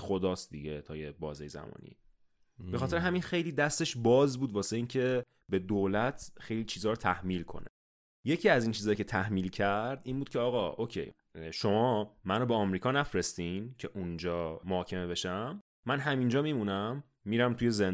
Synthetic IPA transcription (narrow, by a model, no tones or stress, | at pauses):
xo̞d̪ɒːst̪d̪iɟet̪ʰɒːjebɒ̰ːzejzæ̰mɒ̰ːnḭ | b̥e̞xɒːt̪ʰe̞ɾeɦæminxe̞jliːd̪æst̪e̞ʃbɒːzbuːd̪vɒːseiːncʰe̞ | be̞d̪oːlæt̪ʰxe̞jlit͡ʃʰiːzɒːɾot̪ʰæhmilkʰo̞̰nḛ | je̞cʰiːæziːnt͡ʃʰiːzɒːjicʰe̞t̪ʰæhmiːlcʰæɾd̪iːnbuːd̪cʰeɒːɣɒʔocʰḛj | ʃo̞mɒːmænɾobeɒmɾiːkʰɒːnæfɾest̪incʰe̞ʔund͡ʒɒːmohɒːcʰe̞me̞be̞ʃæmː | ænɦæmind͡ʒɒːmimunæmː | iːɾæmt̪ʰuje̞zen